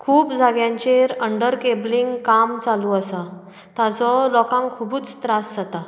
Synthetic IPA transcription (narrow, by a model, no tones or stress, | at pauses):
kʰuːpd͡zʱaɡjãɲt͡ɕeɾəɳɖəɾkebliŋɡkamt͡saluəsa | t̪at͡sɔlɔkãŋkʰubuːt͡st̪ɾasd͡zat̪a